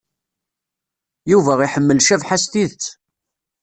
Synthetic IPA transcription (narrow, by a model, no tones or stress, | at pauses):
juvæiħəmːəlʃævħast̪iðt͡s